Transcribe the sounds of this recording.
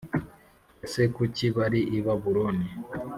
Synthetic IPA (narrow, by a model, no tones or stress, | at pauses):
sekuciβaɾiʔiβaβuɾoni